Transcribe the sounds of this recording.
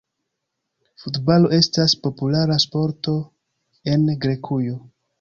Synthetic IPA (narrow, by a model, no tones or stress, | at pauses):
futbalo̞ʔe̞staspo̞pulaɾaspo̞ɾto̞ | e̞nɡɾe̞kʰujo̞